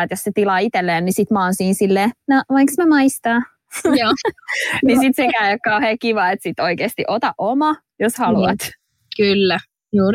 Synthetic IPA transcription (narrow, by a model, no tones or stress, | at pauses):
et̪josset̪ilɑːit̪elːeːnnisit̪mɑːnsiːnsilːeːnoʋɑiksmemɑist̪ɑː | joː | nisit̪sekæyjkkɑuheːkiʋɑːet̪sit̪ːoikeːst̪iʔot̪ɑʔʔomɑ | joshɑluɑt̪ | kylːæ | juː